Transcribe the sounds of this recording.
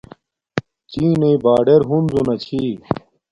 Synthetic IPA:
t͡ɕĩːneibaːɖeɾɦunzonɐt͡ɕʰi

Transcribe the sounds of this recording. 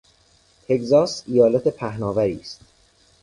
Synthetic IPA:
t̪ʰe̞czɒːsijɒːlæt̪ʰe̞pʰæhnɒːvæɾiːst̪

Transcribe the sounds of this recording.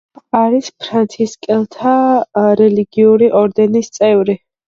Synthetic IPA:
aɾispʰɾant̪sʰiskʼɛlˠt̪ʰaɾɛliɡiuɾiʔɔɾd̪ɛnist̪sʼɛvɾi

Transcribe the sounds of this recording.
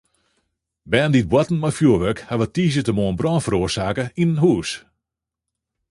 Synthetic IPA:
bɛːndit̚bwɔtn̩mafjuəʋøkhaʋətiːsjətəmoənbrɔːnfəɾoərsaːkəinənɦuːs

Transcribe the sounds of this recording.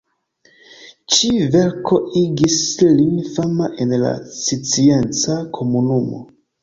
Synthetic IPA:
t͡ʃive̞ɾkʰo̞iɡisliŋfamaʔe̞nla̰sit͡sie̞nt͡sakʰo̞munumo̰

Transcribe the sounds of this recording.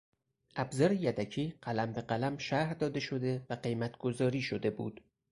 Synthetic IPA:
ʔæbzɒːɾejæd̪æcʰiːɢælæmbeɢælæmʃæɾd̪ɒːd̪e̞ʃo̞d̪e̞væɢe̞jmæt̪ʰɡ̥o̞zɒːɾiːʃo̞d̪e̞bṵːd̪̥

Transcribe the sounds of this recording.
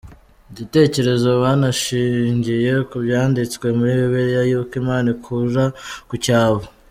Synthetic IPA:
ɟite̞ːce̞ɾe̞zo̞βaːnaʃiːɲɟije̞kubjaːndit͡skwe̞muɾiːβiβiɾijajukimaːnikʰuʒakucaːβo

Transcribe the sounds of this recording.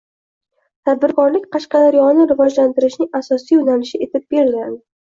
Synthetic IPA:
t̪ʰad̪̚bɪɾkɒɾlɪkʲqʰɑʃqɑd̪aɾjɒnɪɾɪvɒd͡ʒlant̪ɪɾɪʃnɪŋasɒsijʊnanɪʃɪe̞t̪ʰɪb̚beɾlɡʲand̪ɪ

